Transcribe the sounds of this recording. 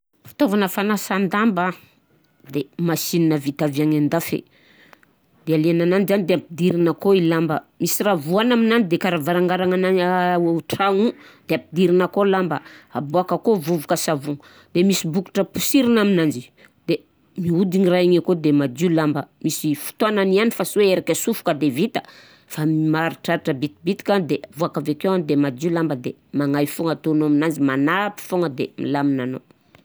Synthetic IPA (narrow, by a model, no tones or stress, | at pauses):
fi̥t̪ovanəfanasand̪amba | d̪emasininəvit̪aviaŋand̪afḛ | d̪̥ealianananizanid̪eapid̪iɾinakoilambəmisiravuanaminanid̪ekaɾavaɾaŋɡaɾaŋanaeʈ͡ʂaŋud̪̥eapid̪iɾinakolambəaboakəkovuvukəsavuŋ | d̪̥emisibuki̥ʈ͡ʂəpu̥siɾinaminand͡ʒi | d̪̥e | miud̪iŋiraaɲakod̪emad̪ulambəmisifu̥t̪oananianifasweeɾakʲəsufu̥kəd̪evit̪ə̥ | fammaɾiʈ͡ʂaɾiʈ͡ʂəbit̪ibit̪i̥kand̪evuakavekewand̪emad̪ilambəd̪emaŋajfoŋat̪onaminand͡ʒimanapi̥foŋɡəd̪ḛmḭlaminano̰